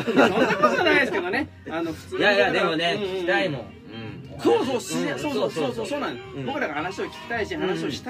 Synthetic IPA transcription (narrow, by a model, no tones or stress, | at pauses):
sõnːakot̪oanaid̪esɨ̥ked̪o̞ne | anoɸɯ̥jajad̪e̞mo̞neiɾaino̰ | soːsoːssoːsosoːsoːsoːnãnd̪sbo̞kɯ̟ɾaɡahanaɕio̞kʲi̥kʲi̥t̪aiɕihanaɕio̞ɕi̥t̪